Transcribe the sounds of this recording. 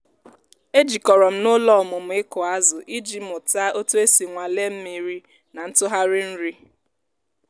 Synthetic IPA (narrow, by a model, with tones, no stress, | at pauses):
e˦d͡ʒi˨kɔ˨ɾɔ˨m̩˦nʊ˦lɔ˦˨mʊ˨m̩˨˦ɪ˦kʊ˨a˦zʊ˨ʔi˦d͡ʒi˦mʊ˨ta˦o˦to˦e˦si˨ŋʷa˨le˦m̩˦mi˨ɾi˦ | na˨n̩˦tʊ˦ɦa˦ɾɪ˦n̩˦ɾi˦